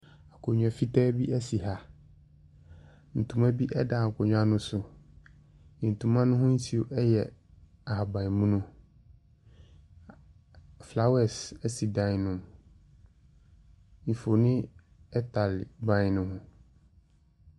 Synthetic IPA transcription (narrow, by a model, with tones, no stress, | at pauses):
a˨kʰo˨ɲᶣ˨a˨fi˦tʰɛː˦bi˦æ˦si˨ɦa˨ | n̩˨tʰũ˨ma˦bi˦ʔɛ˦da˨kʰɔ˨ɲᶣ˦a˦nʊ̃˦sʊ˨ | n̩˨tʰũ˨mã˦nʊ̃˦ɦʊ̃˦n̩˦sʰi˨o˨ʔɛ˦jɛ˨ | a˨ɦa˨bã˨i˨mũ˦nʊ̃˦ | fla˦wɛ˦˨sɛ˦si˨dã˦nʊ̃˨m | n̩˨fo˨nɪ̃˦ | ɛ˦tʰa˨lbã˦nʊ̃˦hʊ̃˦